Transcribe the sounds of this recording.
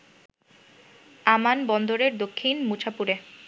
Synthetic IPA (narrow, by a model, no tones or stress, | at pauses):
amanbɔnd̪oɾeɾd̪okʰːinmut͡ɕʰapuɾe